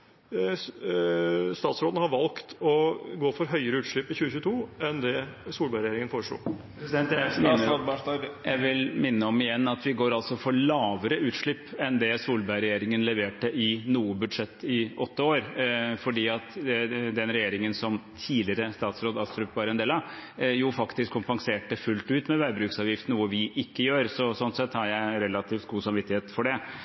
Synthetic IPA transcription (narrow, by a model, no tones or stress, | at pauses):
st̪ɑːt̪sɾoːd̪n̩hɑɾʋɑlkt̪ɔɡoːfɔɾɦœʏəɾəʉːt̪ʂɭɪpːɪçʉːəçʉːt̪ʰuːɛnd̪ɛsuːlbɑɾɛjeːɾɪŋənfoːɾəʂɭṵːpɾɛsɪd̪ɛnt̪æɑd̪bæɑjæɪʋɪlmɪnːəɔmɪjɛnːɑt̪ʋɪɡoːɾɑlt̪sɔfɔɭɑːʋəɾəʉːt̪ʂɭɪpːɛnd̪ɛsuːlbæɾɛjeːɾɪŋənlɛʋeːʈəʔɪnuːəbʉd̪ʂɛt̪ːɪɔt̪ːəoːɾfɔɖiːɑt̪d̪ɛnɾɛjeːɾɪŋənsɔmt̪ʰiːlɪəɾəst̪ɑːt̪sɾoːd̪ɑst̪ɾʉpʋɑɾɛnd̪eːlɑjufɑkt̪ɪskʰːʊmpɑŋseːʈəfʉlt̪ʉːt̪mɛʋæɪbɾʉːksɑːʋjɪft̪nuːəʋɪʔɪkːəjøːɾsɔsɔnt̪sɛt̪ːhɑɾjæɪɾɛlɑt̪ʰiːft̪ɡuːsɑmʋɪt̪ːɪheːt̪fɔɖɛ